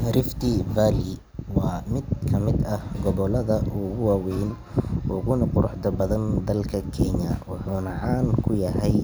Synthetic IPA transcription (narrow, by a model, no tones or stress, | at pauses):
ɾɪft̪ʰɪvaːlɪ | wɑːmɪd̪kʰɐmɪd̪ɐhɡɔβɔlɐðɐʔʊɣʊwɑːwɛjn | ʔɔːɣʊnɐqʊɾʊħd̪ɐbɐðɐnd̪ɐlkʰɐkʰɛɲɐ̰wɑħuːnɐʕɑːnŋkʰʊjɐɦɛj